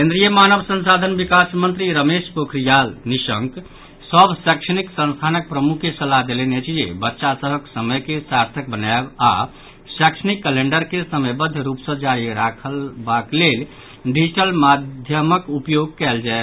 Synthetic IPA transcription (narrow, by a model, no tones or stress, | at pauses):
kẽnd̪ɾijəmanəbsə̃nsad̪ʱənbikasmə̃nt̪ɾiɾəmespokʰɾijalnisə̃ŋk | səbʱsəkʂəniksə̃nst̪ʰanək̚pɾəmukʰːesəlad̪elenet͡ʃʰd͡ʒḛbətːʃasəɦəksəməjkesaɾt̪ʰək̚bənaeba̰ | sɛkʂənikːəleɳɖəɾkesəməjbəd̪ʱjəɾupsə̃d͡ʒaɾiɾakʰəlbaklel | ɖid͡ʒiʈəlmad̪ʱjəməkupjoɡ̚kɛld͡ʒae